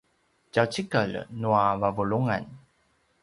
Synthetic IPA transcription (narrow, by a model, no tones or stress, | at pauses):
d͡ʑawt͡ɕikəlnuavavuluŋa̰n